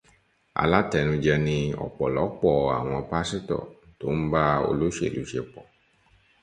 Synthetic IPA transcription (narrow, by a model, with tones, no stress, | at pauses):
a̰˧la˦tɛ˧˨nũ˧d͡ʒɛ˧nĩ˧ɔ̰˨k͡pɔ˨lɔ˨˦k͡pɔ˨a̰˨w̃ɔ̃˧pa˦si˦tɔ̰˨to˦m̩˦ba˦o̰˧lo˦ʃḛ˨lṵ˨˦ʃe˧k͡pɔ˨